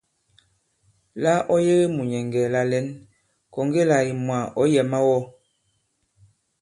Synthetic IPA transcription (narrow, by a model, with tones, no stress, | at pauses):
la˦ʔɔ˦je˦ɣe˦mu˨ɲɛ˨ŋɡɛ˨la˦lɛ˦n | kɔ˨ŋ˦ɡe˦la˨i˨mwa˨ʔɔ˦jɛ˨ma˦wɔ˦˨